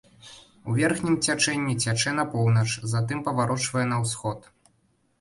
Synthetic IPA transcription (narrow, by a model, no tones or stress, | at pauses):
uvʲɛrxnʲimt͡sʲat͡ʂɛnʲːit͡sʲat͡ʂɛn̪ɐpɔwnɐt͡ʂzat̪ɨmpɐvaɾɔt͡ʂvɐjɛnɐwsxɔt̪